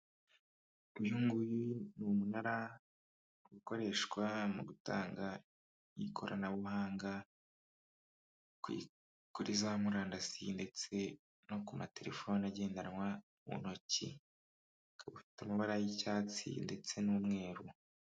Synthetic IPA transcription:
ibjuːŋɡujinumunaɾa | ɡuko̞ɾe̞ʃkwamuɡuta̰ːŋɡa | jikʰoɾa̰naβuhaːŋɡa | ḭ | kuɾizamuɾaːndasinde̞t͡se̞ | no̞kumate̞ɾe̞fo̞naɟe̞ːndanwa | mṵnocḭ | kaβufi̥tamuβaɾajicaːt͡sḭnde̞t͡se̞nuːmŋe̞ːɾu

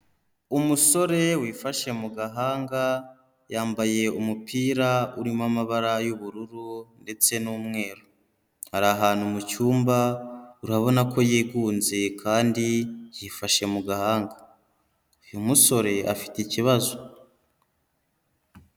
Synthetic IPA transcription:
umuso̞ɾe̞wiːfaʃe̞muɡaɦaːŋɡa | jaːmbaje̞umupʰiːɾauɾimamaβaɾajuβuɾuɾunde̞t͡se̞nuːmŋe̞ːɾo | haɾaɦaːnhumucuːmbauɾaβo̞nakʰo̞jiːɡuːnze̞kʰaːndijiːfaʃe̞muɡahaːŋɡa | ujomuso̞ɾe̞ʔa̰fi̥ticiβazo

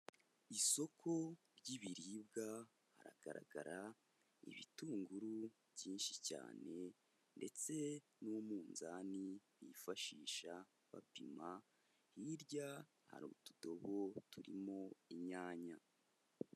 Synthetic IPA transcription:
iso̞kʰo̞ | ɾɟiβiɾibɡa | ha̰ɾa̰ɡ̥aɾa̰ɡaɾa | ḭβḭtuːŋɡuɾuβjɟiːnʃica̰ːne̞ | nde̞t͡se̞ | numuːnzaːniβifaʃiːʃa | βa̰pima | hiɾɟa | ha̰ɾuːtu̥do̞βo̞tuɾḭmo̞iɲaːɲa

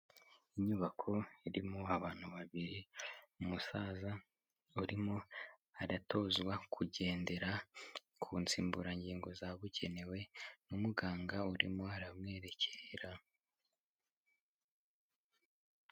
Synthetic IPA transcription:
iɲuβakʰo̞iɾimoaβaːn̥huβaβiɾiumusaːza | uɾimo̞aɾato̞ːzɡwakʰuɟe̞ːnde̞ɾa | kʰuːnt͡siːmbuɾaɲɟiːŋɡo̞zaβuɟe̞ne̞we̞numuɡaːŋɡauɾḭmoaɾamŋe̞ːɾe̞cʰeɾa

